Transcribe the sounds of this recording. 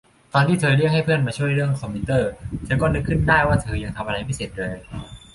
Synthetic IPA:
t̪ɔː˧nt̪ʰiː˥˩t̪ʰɤː˧ɾɯ˥˩ək̚ha˥˩jpʰɯ˥˩ənmaː˧t͡ɕʰu˥˩əjɾɯ˥˩əŋkʰɔː˧mi˧t̪ɤː˥˩t̪ʰɤː˧kɔː˥˩nɯ˦˥kʰːɯ˥˩ndaː˥˩jwaː˥˩t̪ʰɤː˧ja˧ŋt̪ʰa˧mʔa˧a˧jma˥˩jse˨˩t̪̚lɤː˧j

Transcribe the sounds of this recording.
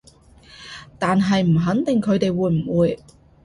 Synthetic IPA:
t̪aː˨nɦɐ˨jm̩˨˩ɦɐ˨˥nt̪ɪ˨ŋkʰɵ˨˧t̪e˨jwuː˨˧jm̩˨˩wuː˨˧j

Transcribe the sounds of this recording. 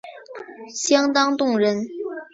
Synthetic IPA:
ɕjɑ˥ŋt̪ɑ˥ŋt̪ʊ˥˩ŋɻə˧˥n

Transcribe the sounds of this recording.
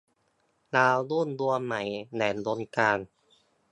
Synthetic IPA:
laː˧wduː˥˩ndu˧əma˩˦jnɛː˩˦ndoː˧nkaː˧n

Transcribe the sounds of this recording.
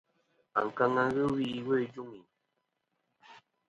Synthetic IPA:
a̰˨ŋ˨ka˧ŋa˦ɣə˦wi˦˨we˦˨d͡ʒu˦ŋi˨

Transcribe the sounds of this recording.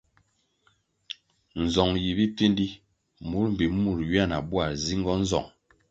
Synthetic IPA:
n̩˨zɔ˨ŋji˨bi˦pi˦ndi˦ | mu˨˦ɾm̩˨bi˨˦mu˦˨ɾɥi˦a˦˨na̰˨bu˦a˨zi˦ŋ˦ɡɔ˦n̩˦zɔ̰˨ŋ

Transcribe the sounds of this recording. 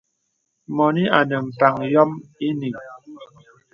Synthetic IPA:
mɔ˨ni˦ʔa˨nə˨m̩˨pa˨ŋjɔ˦mi˦ni˨ŋ

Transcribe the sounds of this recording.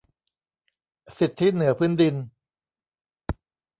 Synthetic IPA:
si˨˩t̪ʰːi˦˥nɯ˩˦ɐpʰɯː˦˥ndi˧n

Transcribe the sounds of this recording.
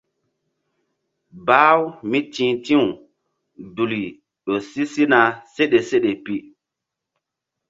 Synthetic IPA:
baː˦wmi˦tĩ˨˦tĩ˦u˨ | du˨li˨ | ɗo˨si˦si˦na˨se˦ɗe˨se˦ɗe˨pi˦

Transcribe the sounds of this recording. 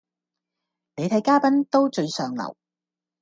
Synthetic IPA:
ne˨˧jt̪ʰɐ˨˥jkaː˥pɐ˥nt̪o˥wt͡ʃɵ˧ɥsœː˨ŋlɐ̰˨˩w

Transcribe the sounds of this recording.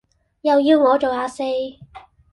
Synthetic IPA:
jɐ˨wjiː˧wŋɔː˨˧t͡ʃo˨waː˧se˧˥j

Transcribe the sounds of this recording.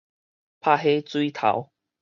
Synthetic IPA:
pʰa˥˧˨ɦe˦t͡swi˦t̪ʰa̰˨˦w

